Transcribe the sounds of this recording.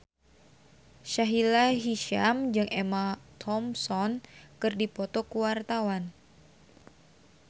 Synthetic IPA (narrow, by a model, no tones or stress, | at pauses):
ʃaɦilaɦiʃamd͡ʒɨŋemat̪ʰɔmsɔnkɨrdipɔt̪ɔkuwart̪awan